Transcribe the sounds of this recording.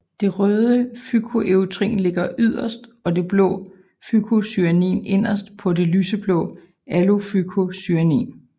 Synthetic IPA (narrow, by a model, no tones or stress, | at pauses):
d̥e̝ʁœːðˠəfykʰo̝ʔeʊt͡sʰʁḭːnle̝ɡ̥ɐʔyð̞̰ˠɐsd̥ɒ̽d̥e̝b̥lɔ̰̽ː | fykʰo̝syænḭːne̝n̰ɐsd̥pʰɒ̽de̝lyːsəb̥lɔ̰ː | ælo̝fykʰo̝syænḭːn